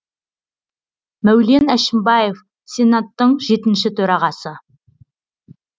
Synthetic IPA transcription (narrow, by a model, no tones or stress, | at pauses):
mæwle̞næʃɪmbɑje̞f | se̞nat̪ːəɴʒe̞t̪ɪnʃɪt̪ʰɵɾɑʁɑsə